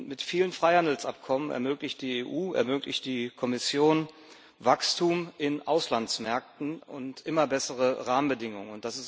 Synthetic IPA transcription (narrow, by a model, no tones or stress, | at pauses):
mɪtfiːlənfʁ̥aɪhandl̩sʔap̚kʰɔmənɛ̰ɐmøːklɪçt̚d̥iːeːʔuːɛ̰ɐmøːklɪçtd̥iːkʰɔmɪsjoːn | vakstʰuːmʔɪnʔaʊslansmɛɐk̚tn̩ʊntʔɪmɐbɛsəʁ̞əʁaːmənbədɪŋʊŋənʊnt̚d̥asɪs